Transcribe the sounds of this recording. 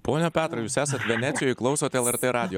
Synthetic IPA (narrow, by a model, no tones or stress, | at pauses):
poːnʲoːpʲæːt̪ɾɐjuːsæːsɐt̪ʲʋʲɛnʲæːt̪sʲɪjoːjɪklˠɒʊsoːt̪ʲɛlˠɛɾt̪ʲeːɾɑːd̪ʲɪjoː